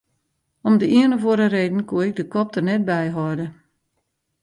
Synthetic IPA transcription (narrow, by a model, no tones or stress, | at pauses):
ɔmdəiənəvoəɾəreːdn̩kuəɪɡ̚dəkɔp̚tərnɛt̚bɛjɦɔjdə